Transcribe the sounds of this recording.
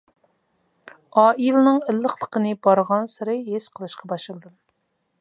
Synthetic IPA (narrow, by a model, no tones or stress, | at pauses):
ɑːʔilɨnɨŋɪlːəχlˠəqənɨbɑɾʁɑnsɨɾɨɦesqʰəlˠɨʃqʰɑbɑʃɨlˠd̪ɨm